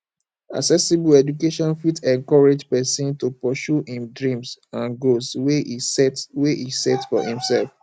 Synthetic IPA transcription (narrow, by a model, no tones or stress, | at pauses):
a̰ksɛsibuɛd͡ʒukeʃɔ̃nfitɛ̃ŋkɔɹed͡ʒpɛsɔ̃ntupɔʃuhĩmdɹĩmsãnɡosweisɛtweʔisɛtfɔ̰hḭ̃msɛlf